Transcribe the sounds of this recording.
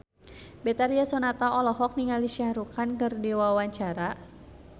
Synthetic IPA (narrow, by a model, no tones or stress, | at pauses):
bɛt̪aɾiasɔnat̪aɔlɔɦɔk̚niŋaliʃiaɾukankɨrdiwawaɲt͡ʃaɾa